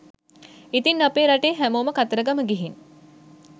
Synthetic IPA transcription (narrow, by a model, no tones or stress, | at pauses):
it̪inːapeːɾaʈeːɦæmoːməkat̪əɾəɡaməɡiɦin